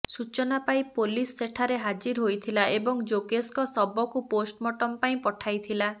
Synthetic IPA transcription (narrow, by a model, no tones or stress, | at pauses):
sut͡ʃɔnapaĩpolisːeʈʰaɾeɦad͡ʒiɾɦojt̪ʰilaʔebɔŋd͡ʒoɡeskɔsɔbɔkuposʈmɔʈɔmpaĩpɔʈʰajt̪ʰila